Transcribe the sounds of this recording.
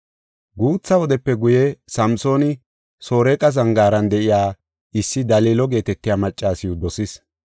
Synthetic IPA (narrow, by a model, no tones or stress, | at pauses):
ɡuːt͡sːɐwɔd̪ɛpːɛɡʊjɛsɐmso̞ːnɪ | so̞ːɾɛːkʼɐzɐŋɡaːɾɐnd̪ɛʔɪjaː | ɪsːɪd̪ɐliːlɔɡe̞ːt̪ɛt̪ːɪjaːmɐt͡ʃʼːaːsɪjʊd̪ɔsɪs